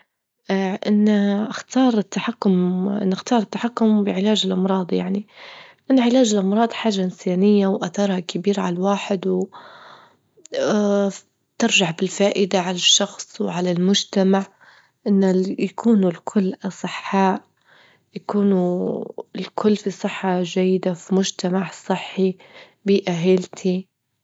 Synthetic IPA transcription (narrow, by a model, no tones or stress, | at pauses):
ʔaʔɪnːaʔaxt̪ɑːɾˤɪt̪ːaħakːʊmʔɪ̰nːaxt̪ɑːɾˤɪt̪ːaħakːʊmbɪʕɪlaːd͡ʒɪlʔɑmɾˤɑːd̪ˤja̰ʕnilʔanːaʕɪlaːd͡ʒɪlʔɑmɾˤɑːd̪ˤħaːʒːaʔɪnsaːnɪjːawʔaθɑːɾˤhakabiːɾʕalawaːħɪd̪w | t̪ɪɾʒaʕbɪlfaːʔɪd̪aʕalaʃːɑxsˤwʕalalmʊd͡ʒt̪amaʕ | ʔɪnːajakʰuːnulkʰʊlːʔɑsˤɨħːaːʔ | jakuːnu | ɪlkʰʊlːfisˤɨħːaʒajːɪd̪afimʊʒt̪amaʕsˤɨħːi | biːʔaɦɪlt̪ʰi